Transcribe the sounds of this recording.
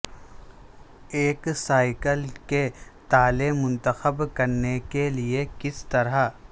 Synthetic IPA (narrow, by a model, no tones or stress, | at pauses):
eːksaːɪkəlket̪aːlemːʊ̃nt̪əxəbkɐɾnekeliekɪst̪ɐɾa